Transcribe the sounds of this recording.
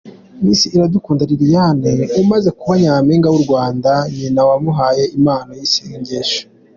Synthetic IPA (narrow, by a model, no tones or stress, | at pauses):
miːsiːɾadukuːndaɾiɾijaneumaze̞kuβaɲaːmeːŋɡawuɾɡwaːndaɲinawamuɦaːje̞imaːnajiseiɲɟeʃo̥